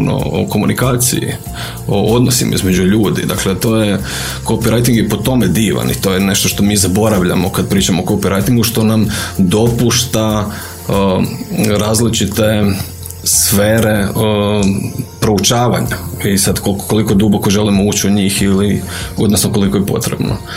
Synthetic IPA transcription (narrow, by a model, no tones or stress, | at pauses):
no̰o̰ko̞munʔikaːt̪sḭjḭ | o̰od̪nosimʔa̰ḭzme̞d͡ʒuʎuːd̪ḭd̪aklet̪o̞ːje | ko̞piɾajt̪iŋɡjepot̪o̞med̪iːʋa̰nḭt̪o̞jene̞ʃt̪oʃt̪o̞miːzabo̞ɾaʋʎa̰mokad̪̚pɾiːt͡ʃamoːko̞piɾajt̪iŋɡuʃt̪o̞namd̪o̞puʃt̪a | ɾaːzlit͡ʃit̪e̞ | sfeːɾe̞ | pɾo̞ut͡ʃaːʋaɲaisad̪kolkoko̞likojed̪ubo̞ko̞ʒe̞limouːt͡ʃiuɲiːxilio̞d̪nosnoko̞liko̞jepo̞̰t̪ɾebno̰